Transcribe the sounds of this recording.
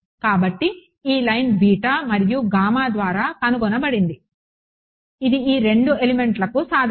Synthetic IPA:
kaːbɐʈːi | iːlɐjnbʱiːʈaːmɐɾijuɡaːmaːd̪ʋaːɾaːkɐnuɡɔnɐbɐɽind̪i | id̪iiːɾe̞ɳɖue̞lime̞ɳʈlɐkusaːd̪ʱ

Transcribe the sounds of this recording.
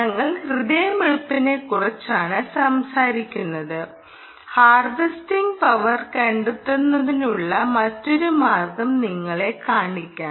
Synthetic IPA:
nɐŋːɐɭhrɨðɐjɐmiɭpːɐne̞kːurɐt͡ɕːaːɳɨsɐmsaːɾikʲːunːɐðɨ | haːrʋɐstiŋɡpɐʋɐrkɐɳɖut̪ːunːɐðinuɭːɐmɐtːo̞ɾumaːrɡɐmniŋːɐɭe̞kaːɳikʲːaː

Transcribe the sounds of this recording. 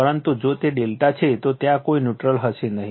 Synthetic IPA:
pəɾənt̪ud͡ʒot̪eɖelʈat͡ʃʰet̪ot̪jãkoinjuʈɾəlɦəʃenəɦi

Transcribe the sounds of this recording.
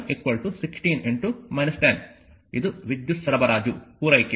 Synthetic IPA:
ʔikʋɐlʈusiksʈiːneɳʈumɐjnɐsʈen | id̪uʋid̪jusɐɾɐbɐɾaːd͡ʒupuːɾɐjke

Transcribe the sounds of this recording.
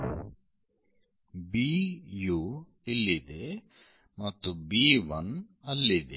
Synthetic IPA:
biju | ilːid̪e | mɐt̪ːubiʋɐnɐlːid̪e

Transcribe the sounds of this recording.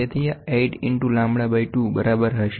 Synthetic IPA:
et̪ʰijaeɖɪɳʈulãmbɽabajʈubəɾabəɾɦəʃ

